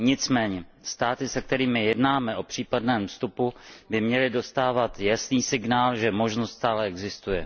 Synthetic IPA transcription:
ɲɪt͡smɛːɲɛst̪aːt̪ɪsɛk̚t̪ɛɾiːmɪjɛdnaːmɛʔo̞pr̝̥iːpadnɛːmfst̪upubɪmɲɛlɪdo̞st̪aːvat̪jasniːsɪɡnaːlʒɛmo̞ʒnost̪st̪aːlɛɛɡzɪst̪ujɛ

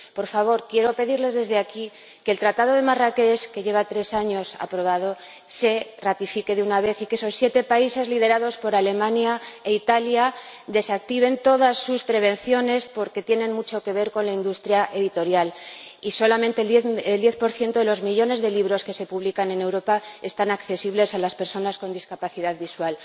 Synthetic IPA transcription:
po̞ɾfaβ̞o̞ɾkje̞ɾo̞pe̞ðiɾle̞zðe̞zðeaki | ke̞lt̪ɾat̪að̞o̞ðe̞marake̞ske̞ʝe̞β̞at̪ɾe̞saɲo̞sa̰pɾo̞β̞aðo̞ | se̞rat̪ifike̞ðeunaβ̞e̞θike̞so̞sːje̞t̪e̞paise̞zlið̞e̞ɾað̞o̞spo̞ɾale̞mãnjaeit̪aljad̪e̞sak̚t̪iβ̞e̞nt̪o̞ðasːuspɾe̞β̞ẽ̞nθjo̞ne̞spo̞ɾke̞t̪je̞nẽ̞nmut͡ʃo̞ke̞β̞e̞ɾko̞nlaind̪ust̪ɾjaʔe̞ðit̪o̞ɾjaliso̞lamẽ̞nt̪eleld̪je̞θpo̞ɾθje̞nt̪o̞ðe̞lo̞zmiʎo̞ne̞zðe̞liβɾo̞ske̞se̞puβlikane̞ne̞wɾo̞pae̞st̪anakθe̞siβle̞salaspe̞ɾso̞nasko̞nd̪iskapaθiðaðβiswal

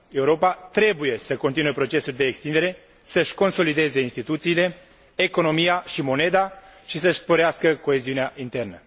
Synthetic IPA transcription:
e̞uɾo̞pat̪ɾe̞buje̞səko̞nt̪inuepɾo̞t͡ʃe̞sulʲd̪e̞ːkst̪ind̪e̞ɾe̞ | səʃʲko̞nso̞lid̪e̞zeinst̪it̪ut̪siːle̞ː | ko̞no̞mijaʃimo̞ne̞d̪aʃisəʃspoɾeaskəko̞eziuneaʔint̪e̞rnə

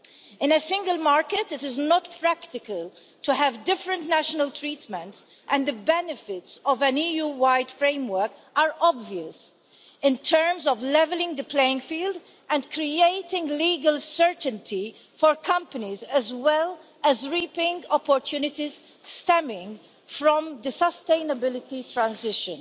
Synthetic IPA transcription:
ɪ̃nəsɪ̃ŋɡəlmaɹkətɪtɪznɔtpʰɹækt̪ɪkəlˠ | tuɦævdɪfɹə̃ntnæʃənəlt̪ʰɹiːt̪mə̃nts | ʔɛ̃nd̪əbɛnɨfɪtsɔvæ̃nijuːwaɪdfɹẽɪ̃mwəɹk | aɹɔbviəs | ɪ̃ntʰɜɹmzɔvlɛvəlɪ̃ŋd̪əpʰleɪɪ̃ŋfiːld | ɛ̃ndkʰɾieɪtɪ̃ŋɡliːɡəlˠsɜɹtntʰi | fɔɹkʰʌ̃mpənizɛzwɛl | ɛzɹiːpɪ̃ŋɡɔpɔɹtʰjunɪtiz̥ | stɛmɪ̃ŋɡ | fɹɔ̃md̪əsəstẽɪ̃nəbɪlɪtitʰɹãnzɪʃə̰̃n

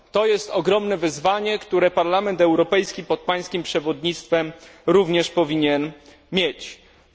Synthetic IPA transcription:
t̪ɔjɛst̪ɔɡɾɔmnɛvɘzvaɲɛkt̪uɾɛpaɾlamɛnt̪ɛwɾɔpɛjskʲipɔt̪̚paj̃skʲimpʂɛvɔd̪ɲit̪st̪fɛmɾuvɲɛʂpɔvʲiɲɛn | mʲjet͡ɕ

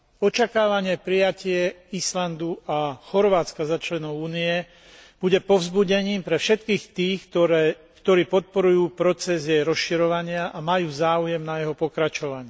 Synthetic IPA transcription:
ɔt͡ʃakaːʋaɲɪɛpɾijacɪɛ | island̪uaxɔɾʋaːt͡skazat͡ʃlɛnɔʊuːniɛ | b̥uɟɛpɔʊzbuɟɛɲiːmpɾɛfʃɛt̪kiːxt̪iːxɾ | kt̪ɔɾiːpɔt̪̚pɔɾujuːpɾɔt͡sɛzjɛjɾɔsʃiɾɔʋaɲɪaʔamajuːzaːujɛmnajɛɦɔpɔkɾat͡ʃɔʋaɲɪɛ

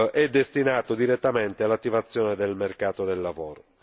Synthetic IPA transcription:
ʔɛd̪ːest̪inaːt̪od̪iɾet̪ːament̪ealːat̪ːivat̪sːjɔːned̪elmerkaːt̪od̪elːavoːɾo

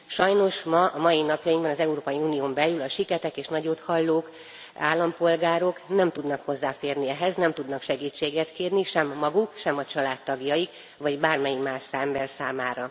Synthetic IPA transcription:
ʃɒjno̞ʃmɒʔɒmɒjinɒpjɒjiŋɡbɒnɒzɛuɾoːpɒjiuːnijoːmbɛlylɒʃikɛt̪ɛkeːʃnɒɟoːt̪hɒlːoːk | a̰ːlːɒmpo̞lɡaːɾo̞knɛmt̪ud̪nɒkho̞zːaːfeːrniɛɦɛznɛmt̪ud̪nɒkʃɛɡiːt͡ʃːeːɡɛt̪keːrniʃɛmːɒɡukʃɛmɒt͡ʃɒlaːt̪ːɒɡjɒjik | vɒɟbaːrmɛjimaːʃsambɛrsaːmaːɾɒ

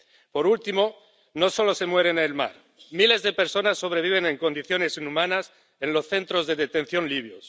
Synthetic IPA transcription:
po̞ɾult̪imo̞ | no̞so̞lo̞se̞mwe̞ɾenelma̰ɾ | mile̞zðe̞pe̞ɾso̞nasːo̞β̞ɾe̞β̞iβ̞e̞ne̞ŋko̞nd̪iθjo̞ne̞sinumãnas | e̞nlo̞sθe̞nt̪ɾo̞zðe̞ðet̪ẽ̞n̟θjo̞nliβ̞jos

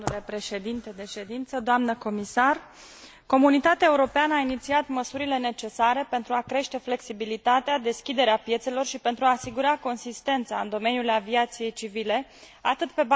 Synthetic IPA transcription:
ule̞pɾe̞ʃe̞d̪int̪e̞d̪e̞ʃe̞d̪int̪səd̪oamnəko̞misar | ko̞munit̪at̪eaeuɾo̞peanəainit̪siat̪məsuɾile̞ne̞t͡ʃe̞saɾe̞pe̞nt̪ɾuakɾe̞ʃt̪e̞fle̞ksibilit̪at̪ead̪e̞skʲid̪e̞ɾeapje̞t̪se̞lo̞rʃipe̞nt̪ɾuaːsiɡuɾako̞nsist̪e̞nt̪sa̰ɨnd̪o̞me̞njulaviat̪sije̞jt͡ʃivile̞ | at̪ɨt̪pe̞b

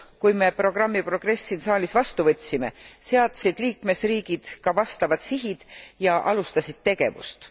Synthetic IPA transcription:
kujme̞pro̞ɡ̥rɑmːipro̞ɡ̥re̞sːinsɑːlʲisvɑst̪uvɤ̞t̪ʲsime̞̰seɑt̪sid̪̥liːkme̞sriːɡ̥id̪̥kɑvɑst̪ɑvɑd̪̥siɦid̪̥jɑʔɑlust̪ɑsid̪̥̚t̪e̞ɡ̥e̞vṵst̪

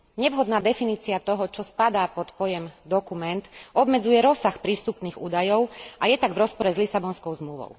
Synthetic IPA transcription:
ɲɛʋɦɔd̪naːd̪ɛfiniːt͡siat̪ɔɦɔt͡ʃɔspad̪aːpɔt̪pɔjɛmd̪ɔkumɛnt̪ɔbmɛd͡zujɛɾɔsːaxpɾiːst̪upniːɣṵːd̪ajɔʊʔajɛt̪aɡvɾɔspɔɾɛzlisabɔnskɔʊzmluʋɔ̰ʊ

